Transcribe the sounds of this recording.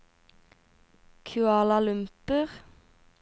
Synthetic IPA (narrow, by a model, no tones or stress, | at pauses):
kʰʉɑːlɑlʉmpəʁ